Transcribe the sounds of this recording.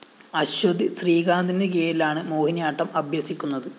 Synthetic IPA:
ɐɕod̪isriːɡaːnd̪indek̬eːjilaːɳɨmoːhinjaːʈːɐmɐbʱjɐsikʲːunːɐðɨ

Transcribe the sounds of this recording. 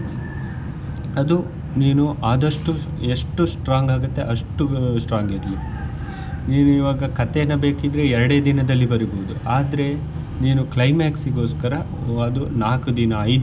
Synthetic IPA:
ɐd̪u | niːnuaːd̪ɐʂʈu | e̞ʂʈusʈɾaːŋɡaːɡut̪ːe̞ʔɐʂʈusʈɾaːŋɡeɾli | niːnuiʋaːɡɐkɐt̪enːɐbe̞ːkid̪ɾeɛɾɐɽed̪inɐd̪ɐlːibɐɾiboud̪uaːd̪ɐɾe̞ | niːnuklɐjmaːksiɡo̞ːskɐɾɐ | ɐd̪unaːkud̪inɐɐjd̪

